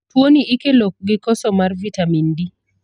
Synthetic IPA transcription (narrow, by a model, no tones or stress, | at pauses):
twoniikelok̚ɡɪkɔsɔmarvitamindi